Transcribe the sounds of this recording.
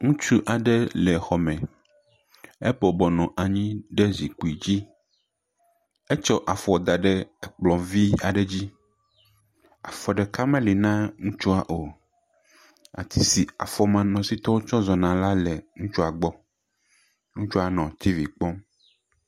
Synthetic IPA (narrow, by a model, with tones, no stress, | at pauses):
ŋũ˦t͡ʃu˦ʔa˨ɖɛ˦lɛ˨xɔ˨mɛ̃˨ | e˦bɔ˨bɔ˨nɔ̃˨ʔa˨ɲĩ˦ɖe˦zi˨ku˨i˨d͡ʑi˦ | e˦t͡ʃɔ˦ʔa˨fɔ˨d̪a˨ɖɛ˦˨k͡plɔ̃˨vi˦a˨ɖɛ˦d͡ʑi˦ | a̰˨fɔ˨ɖɛ˨ka˦mẽ˦li˨nã˦ŋũ˦t͡ʃu˦a˨ʔo˨ | a̰˨t̪ʰi˦si˨a̰˨fɔ˦mã˨nɔ̃˨si˦t̪ɔ˦wo˦t͡ʃɔ˦zɔ˨nã˨la˦lɛ˨ŋũ˦t͡ʃu˦a˨ɡ͡bɔ˦ | ŋũ˦t͡ʃu˦a˨nɔ̃˨t̪ʰi˦vi˨k͡pɔ̃˦m